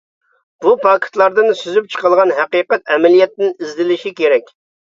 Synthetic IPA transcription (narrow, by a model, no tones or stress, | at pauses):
b̥upʰɑkʰɪ̥t̪lˠɑɾd̪ɨnsyzyp̚t͡ʃʰə̥qəlˠʁɑnɦɛqiqɛt̪ɛmɛlijɛt̪ːɪnizd̪ɪlɪʃikʲeɾɛkʲ